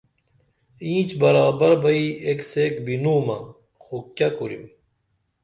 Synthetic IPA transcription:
ĩːt͡ɕbɐɾaːbɐɾbɐiekseːkbinuːmɐ̰ | xokjakuɾḭm

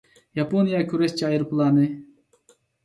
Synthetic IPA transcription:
jɑponijakʲʰuɾest͡ʃɑːjiɾplˠɑnɨ

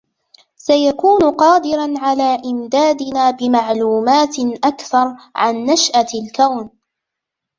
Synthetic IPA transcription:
sajakuːnʊqɑːd̪ɪɾanʕalaːʔɪmd̪aːd̪ɪnaːbɪmaʕluːmaːt̪ʔakθɑɾˤʕanːaʃʔalkawn

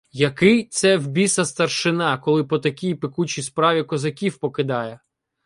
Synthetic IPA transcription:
jɐkɪjt̪sɛwbʲisɐst̪ɐrʃɪnɑkɔlˠɪpɔt̪ɐkʲijpɪkut͡ʃispɾɑʋʲikɔzɐkʲiwpɔkɪd̪ɑjɛ

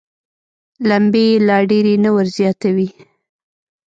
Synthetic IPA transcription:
lambelɑɖeɾenəwaɾzjɑt̪awi

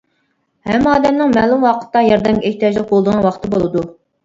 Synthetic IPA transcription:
hɛmːɑːd̪ɛmnɪŋmɛlˠumwɑqʰə̥t̪ːɑjɑɾd̪ɛmʲeht̪ijɑd͡ʒlˠɨk̚bolˠd̪əʁwɑχt̪ʰɨbolˠɨd̪u

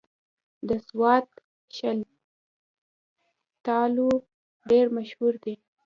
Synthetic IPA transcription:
d̪əswɑt̪ | ʃal | t̪ɑlu | ɖeɾmaʃhuɾd̪i

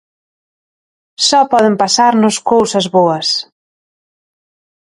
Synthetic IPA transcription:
sɔpɔðɪmpasaɾnʊskowsɐzβoɐs

